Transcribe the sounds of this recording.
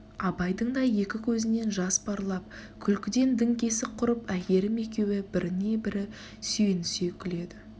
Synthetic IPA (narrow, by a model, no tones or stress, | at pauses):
ɑbɑjd̪əɴd̪ɑje̞kʲɪkʲʰɵzɪne̞nʒɑspɑɾlˠɑp̚kʲʰʏlkʲɪd̪e̞nd̪ɪŋkʲe̞sɪqʰʊɾəpækʲe̞ɾɪme̞kʲe̞wɪbɪɾɪne̞bɪɾɪ | sʏjenɪse̞kʲʰɪle̞d̪ɪ